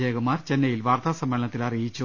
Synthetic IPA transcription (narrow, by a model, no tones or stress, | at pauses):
eːɣɐmːaːrt͡ɕe̞nːɐjilʋaːrt̪ʰaːsɐmːeɭɐɳɐt̪ːilɐrijit͡ɕːu